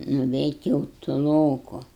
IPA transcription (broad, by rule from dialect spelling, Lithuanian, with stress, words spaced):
nʊʋʲɛɪtʲ jɛʊ tʊˈlˠoːkʊ